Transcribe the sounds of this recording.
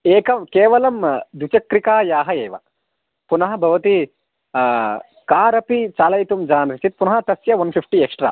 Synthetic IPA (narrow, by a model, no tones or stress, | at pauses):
eːkɐmkeːʋɐlɐmd̪ut͡ʃɐkɾikaːjaːɦɐeːʋɐ̰ | punɐɦɐ̆bʱɐʋɐt̪i | kaːɾɐpit͡ʃaːlɐjt̪umd͡ʒaːnsit͡ʃit̪̚punɐɦɐt̪ɐsjɐʋɐnpʰipʰʈiekʂʈɾa̰ː